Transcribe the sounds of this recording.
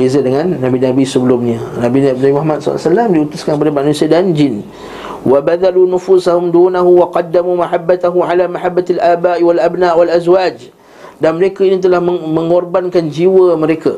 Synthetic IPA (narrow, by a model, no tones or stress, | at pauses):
bezadəŋãnːabinabisəbəlumɲãnabinanabimaɦamat̪̚sɔ̰salamdiut̪uskankpadəmaʔnũsiadand͡ʒɪn | wabad̪alunufusahumduːnaɦuwaqɑdːamumaħabːat̪aɦuʕalamaħabːat̪alʔaːbaʔwalʔabnaʔwalʔazwad͡ʒ | danməɾekainĩt̪̬əlahməmə̃ŋɔrbankand͡ʒiwəməɾeka